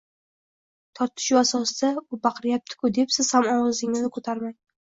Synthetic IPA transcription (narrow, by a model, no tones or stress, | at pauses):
t̪ʰɒɾt̪ʰɪ̥ʃʊasɒsd̪aʊbaqɾjap̚t̪ʰɪ̥kʰʊd̪e̞psɪz̥hamɒwʁɨzɪŋɪznɪkʰot̪ʰaɾmaj